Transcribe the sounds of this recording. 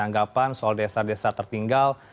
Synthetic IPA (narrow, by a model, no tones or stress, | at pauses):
aŋɡapansɔldesadesat̪ərt̪iŋɡal